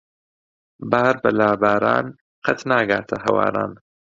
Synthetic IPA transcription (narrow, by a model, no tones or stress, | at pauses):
baːɾbɐlaːbaːɾa̰ːn | qʰɐt̪naːɡaːt̪ʰɐɦɐwa̰ːɾa̰ːn